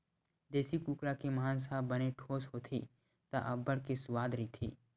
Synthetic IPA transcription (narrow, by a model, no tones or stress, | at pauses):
d͡ʒ̪ɛːsikuːkɾakimɐɦaːnsaːbəneʈʰoːsɦot̪ʰḭ | t̪a̰ʔɐbːəɽkesʊwaːd̪ɾit̪ʰḭː